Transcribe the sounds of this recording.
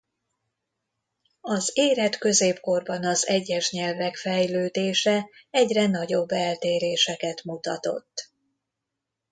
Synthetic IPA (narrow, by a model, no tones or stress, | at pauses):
ɒzeːɾɛt̪kø̞zeːpko̞rbɒnɒzɛɟːɛʃɲɛlvɛkfɛjløːd̪eːʃɛɛɟrɛnɒɟo̞bːɛlt̪eːɾeːʃɛkɛt̪mut̪ɒt̪o̞̰t̪ː